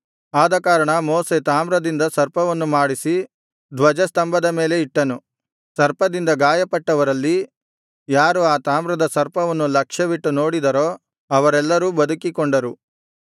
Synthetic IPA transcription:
aːd̪ɐkaːɾɐɳɐmɔːset̪aːmɾɐd̪ind̪ɐsɐɾpɐʋɐnːumaːɽisi | d̪ʋɐd͡ʒɐst̪ɐmbɐd̪ɐme̞ːle̞iʈːɐnu | sɐɾpɐd̪ind̪ɐɡaːjɐpɐʈːɐʋɐɾɐlːi | jaːɾuaːt̪aːmɾɐd̪ɐsɐɾpɐʋɐnːulɐkʂɐʋiʈːunoːɽid̪ɐɾoː | ɐʋɐɾɛlːɐɾuːbɐd̪ukikoɳɖɐɾu

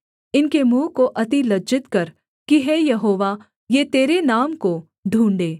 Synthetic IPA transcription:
ɪnkemũːkoʔɐt̪ilɐd͡ʒɪt̪kɐɾ | kiɦɛːjɐɦoːʋa | jeːt̪eːɾenaːmko | ɖʱũːɳɖeː

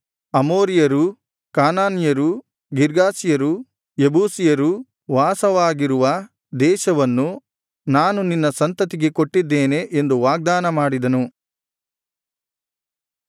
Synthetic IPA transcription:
ɐmoːɾijɐɾu | kaːnaːnjɐɾu | ɡiɾɡaːsijɐɾu | jebuːsijɐɾu | ʋaːsɐʋaːɡiɾuʋɐ | d̪ɛːʃɐʋɐnːu | naːnuninːɐsɐnt̪ɐt̪iɡe̞ko̞ʈːid̪ːeːne̞ʔend̪uʋaːɡ̚d̪aːnɐmaːɽid̪ɐnu

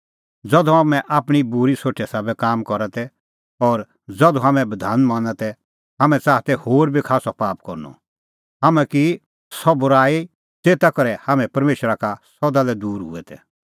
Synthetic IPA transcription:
d͡zɔd̪ɔ̃ɦamɛ̃ʔaːpɽ̃ibʊɾisoːʈʰɛsabɛkaːmkɔɾat̪ɛ | ɔːɾ | d͡zɐd̪ɔ̃ɦamɛ̃bɐd̪ʱaːnmãːnat̪ɛ | ɦamɛ̃t͡saːt̪ɛhoːɾbʱikʰaːsɔpaːpkɔɾnɔ̰ | ɦamɛ̃ki | sɔbʊɾaːi | t̪eːt̪akɔɾɛhamɛ̃pɐɾmeːʃɾakasɔd̪alɛd̪uːɾɦʊ̰ɛt̪ɛ̰

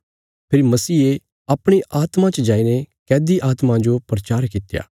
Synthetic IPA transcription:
pʰɪɾmɐsiːe | ɐpɽ̃iʔaːt̪mãt͡ʃəd͡ʒaːinekɛːd̪iʔaːt̪mãd͡ʒopɾɐt͡ʃaːɾkɪt̪ja̰ː

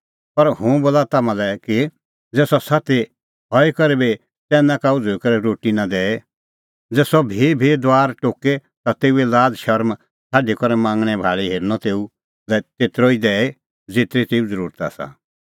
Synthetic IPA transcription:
pɐɾhʊ̃boːlat̪aːmãlɛki | d͡zɛːsɔsat̪e | ɦɔekɔɾebe | t̪ɛːnãkaʊd͡zoikɔɾɛɾoːʈinad̪ɛːe | d͡zɛːsɔbʱibʱid̪ʋaːɾʈoːke | t̪at̪eːuelaːd͡zʃɐɾm | sʰaːɖikɔɾɛmãːŋɡɽ̃ɛ̃bʱaːɭiɦeːɾnɔt̪eːu | lɛt̪eːt̪ɾoːid̪ɛːe | d͡zeːt̪ɾet̪eːud͡zəɾuːɾt̪a̰ːsa̰

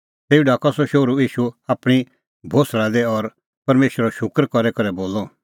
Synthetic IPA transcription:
t̪eːiɖaːkɔsɔʃoːɾuiːʃuaːpɽ̃i | bʱoːslad̪ɛɔɾ | pɐɾmeːʃɾɔʃʊkɾkɔɾɛkɐɾɛboːlɔ

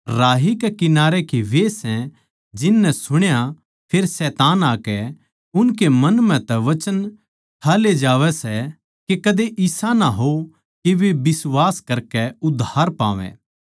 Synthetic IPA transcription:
ɾaːɦikɛkɪnaːɾekeʋesɛ̃ | d͡ʒɪnːɛsʊɽ̃ja | pʰeːɾsɛːt̪aːnaːkɛ | ʊnk̬emɐnmɛ̃t̪ɛʋɐt͡ʃən | tʰaːled͡ʒaːʋɛsɛ | kekɐd̪eʔɪsanaɦo | keʋebɪsʋaːskɐɾkɛʊd̪ʱaːɾpa̰ːʋɛ̰̃ː

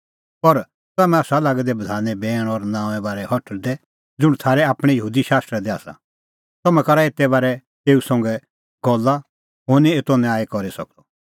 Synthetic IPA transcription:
pɔɾ | t̪ʊaːmɛ̃aːsalaːɡd̪ɛbɐd̪ʱaːnɛbɛːɽ̃ɔɾnãːʋ̃ɛ̃baːɾɛhɔʈʰəld̪ɛ | d͡zʊɽ̃t̪ʰaːɾɛaːpɽ̃ɛjɐɦuːd̪iʃaːst̪ɾɛd̪ɛaːsa̰ | t̪ɐmɛ̃kɐɾaeːt̪ɛbaːɾɛ | t̪eːusɔ̃ŋɡɛ | ɡɔlːa | ɦʊɾniet̪ɔnɛ̃aːekɔɾisɐ̰k̚d̪ɔ

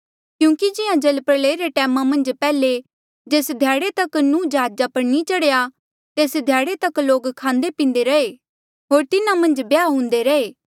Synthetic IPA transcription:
kjũːkid͡ʒɪjãd͡ʒɐlpəɾleːɾeʈɛːmãmɐ̃nd͡ʒpɛːle | d͡ʒeːsd̪ʱjaːɽet̪ɐknũːd͡ʒɦaːd͡ʒapɐɽnit͡ʃɐɽeja | t̪eːsd̪ʱjaːɽet̪ɐkloːɡkʰãːnd̪epĩːnd̪eɾɐeː | ɦoːɾt̪ɪnãmɐ̃nd͡ʒbjaːɦʊ̃ːnd̪eɾɐeː

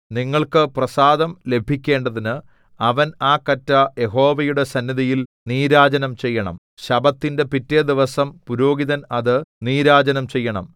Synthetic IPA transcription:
niŋːɐɭkɨprɐsaːd̪ɐmle̞bʱikʲːe̞ːɳɖɐðinɨ | ɐʋɐnaːkɐtːɐje̞ɦo̞ːʋɐjuɽe̞sɐnːjiðɐjilniːɾaːd͡ʑɐnɐmt͡ɕe̞jːɐɳɐ̰m | ɕɐbɐt̪ːinde̞pitːɐjɐd̪iʋɐsɐmpuɾo̞ːɡiðɐnɐðɨniːɾaːd͡ʑɐnɐmt͡ɕe̞jːɐɳɐ̰m

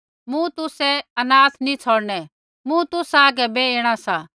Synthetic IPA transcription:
mũt̪ʊsɛɐnaːt̪nĩt͡sʰɔːɽnɛ | mũt̪ʊsaːɡɛbɛeːɽ̃asaː

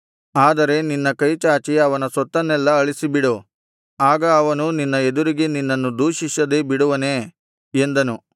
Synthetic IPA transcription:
aːd̪ɐɾe̞ninːɐkɐjt͡ʃaːt͡ʃiɐʋɐnɐsɐt̪ːɐnːɛlːɐɐɭisibiɽu | aːɡɐːʋɐnuninːɐed̪uɾiɡe̞ninːɐnːud̪uːʃiʃɐd̪e̞biɽuʋɐne̞ː | end̪ɐnu

